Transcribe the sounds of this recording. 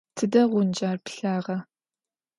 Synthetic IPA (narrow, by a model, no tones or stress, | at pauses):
tʰɨdɐʁʷʊnd͡ʒaːrpɬaːʁɐ